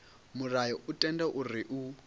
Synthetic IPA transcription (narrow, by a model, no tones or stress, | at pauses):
murajɔʔutʼɛndɛʔuriʔu